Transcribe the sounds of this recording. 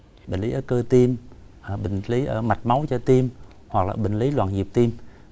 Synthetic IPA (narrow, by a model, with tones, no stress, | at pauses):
ɓï˨˩ŋ̟li˨˦ʔəː˧˩kəː˧t̪i˧m | ʔəː˨˩ɓï˨˩ŋ̟li˨˦ʔəː˧˩ma˨˩t̚ma˨˦wt͡ɕɔ˧t̪i˧m | hwa˨˩k̚la̰ː˨˩ɓï˨˩ŋ̟li˨˦lwa̰ː˧˨nzi˨˩əp̚t̪i˧m